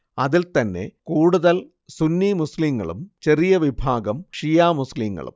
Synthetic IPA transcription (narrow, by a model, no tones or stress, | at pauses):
ɐðilt̪ɐnːe̞̰kuːɽuðɐl | sunːimusliŋːɐ̰ɭumt͡ɕe̞rijɐʋibʱaːɡɐmʂijaːmusliːŋːɐ̰ɭṵm